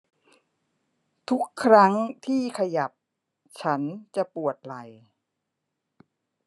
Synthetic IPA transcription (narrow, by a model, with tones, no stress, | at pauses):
t̪ʰu˦˥kʰːɾa˦˥ŋt̪ʰiː˥˩kʰa˧ja˨˩p̚ | t͡ɕʰa˦˥nt͡ɕa˨˩pu˨˩ət̪̚la˨˩j